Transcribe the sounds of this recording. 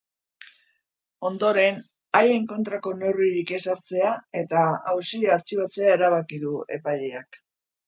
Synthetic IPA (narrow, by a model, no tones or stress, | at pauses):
o̞nd̪o̞ɾe̞n | aje̞ŋko̞nt̪ɾako̞ne̞ɾβiɾike̞saɾt͡se̞ae̞t̪aawsiaɾt͡siβat͡se̞ae̞ɾaβ̞akiðue̞̰paʎeak